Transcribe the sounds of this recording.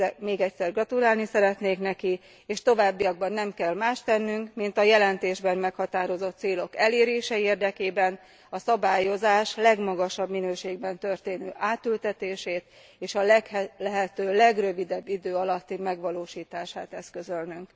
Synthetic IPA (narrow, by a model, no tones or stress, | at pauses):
ɛmeːɡɛcsɛrɡrɒt̪ulaːlnisɛɾɛt̪neːknɛki | eːʃt̪o̞vaːbːiɒɡ̚bɒnːɛmkɛlmaːʃt̪ɛnːyŋkmint̪ɒjɛlɛnt̪eːʒbɛmmɛkhɒt̪aːɾo̞zo̞t̪ːseːlo̞kɛleːɾeːʃɛeːrd̪ɛkeːbɛn | ɒsɒbaːjo̞zaːʃlɛɡmɒɡɒʃɒbminøːʃeːɡbɛnt̪ø̞rt̪eːnø̰ːʔaːt̪ylt̪ɛt̪eːʃeːt̪ | eːʃɒlɛklɛɦɛt̪øːlɛɡrø̞vid̪ɛbːid̪øːɒlɒt̪ːimɛɡʋɒloːʃiːt̪aːʃaːt̪ɛskøzølnyŋk